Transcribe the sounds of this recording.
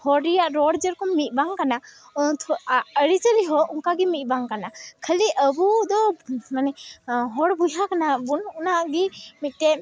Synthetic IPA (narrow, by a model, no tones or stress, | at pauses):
hɔɽijaʔɾɔɽd͡ʒəɾkɔmit̪̚ˀbaŋkana | əɽit͡ʃəliɦɔuŋkaɡimit̪̚ˀbaŋkanakʰəliʔəbud̪ɔmanɛɦɔɽbujakanabunɔnaɡimit̪̚ˀʈɛ